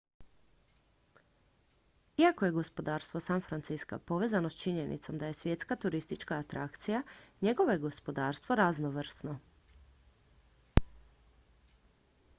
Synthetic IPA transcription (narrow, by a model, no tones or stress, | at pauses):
iakoje̞ɡo̞spo̞d̪aːɾst̪ʋo̞sanfɾant̪siska̰po̞ʋeːzanost͡ʃiɲe̞nḭt̪so̞md̪aje̞sʋje̞t̪skat̪uɾist̪it͡ʃkaːt̪ɾa̰kt̪sijaɲe̞ɡo̞ʋojeɡo̞spo̞d̪aːɾst̪ʋoɾaznoʋr̩sno